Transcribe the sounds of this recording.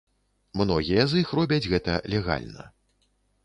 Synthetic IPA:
mnɔɣʲijɐzixrɔbʲɐd͡zʲɣɛt̪ɐlʲɛɣa̰lʲnɐ̰

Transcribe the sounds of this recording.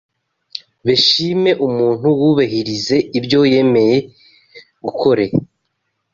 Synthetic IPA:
βeʃime̞ʔumuːn̥huwuβaɦiɾize̞ibɟo̞je̞me̞je̞ | ɡukʰo̞ɾe

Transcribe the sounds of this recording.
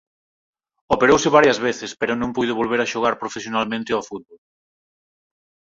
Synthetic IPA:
opeɾowsɪβaɾjɐzβeθɪspeɾʊnõmpujðʊβolβ̞eɾaʃoɣ̞aɾpɾofesjonalmẽnt̪ɪafut̪̚βol

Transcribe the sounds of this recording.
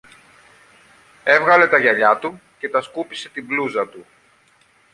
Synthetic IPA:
e̞vɣɐle̞t̪ɐʝɐʎɐt̪u | ce̞t̪ɐskupise̞t̪ibluzɐt̪u

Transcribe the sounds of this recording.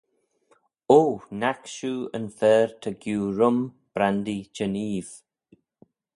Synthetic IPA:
oːnakʃuːə̰nfɛːɹt̪ʰəɡjuːɹʊm | b̥ɾand̪id͡ʒəniːv̥

